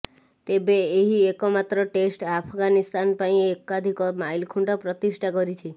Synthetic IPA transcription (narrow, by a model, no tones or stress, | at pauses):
t̪ebeːɦiekɔmat̪ɾɔʈesʈapʰɔɡanist̪anpaĩekad̪ʱikɔmajlkʰuɳɖɔpɾɔt̪isʈʰakɔɾit͡ʃʰi